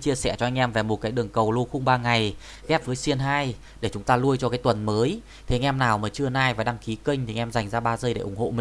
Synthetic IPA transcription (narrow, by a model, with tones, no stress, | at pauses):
t͡ɕi˧əsɛ˧˩t͡ɕɔ˧ʔa˧ŋ̟ʔɛ˧mvɛː˨˩mo˨˩t̚kaː˨˦jɗɨ˨˩əŋkə˨˩wlu˧xʊ˧wŋ͡mɓaː˧ŋa˨˩j | ɣɛ˦˥p̚vəː˨˦jsi˧ənɦaː˧j | ɗe˧˩t͡ɕʊ˨˦ŋ͡mt̪aː˧lu˧əjt͡ɕɔ˧kaː˨˦jt̪wə˨˩nməː˨˦j | t̪ʰe˨˩˦ŋʔɛ˧mnaː˨˩wməː˨˩t͡ɕɨ˧ənaː˧˩jvaː˨˩ɗa˧ŋki˨˦kə˧jŋ̟t̪ʰi˨˩ʔɛ˧mza˨˩jŋ̟zaː˧ɓaː˧zəː˧jɗe˧˩ʔʊ˧˩ŋ͡mho̰˧˨mi˨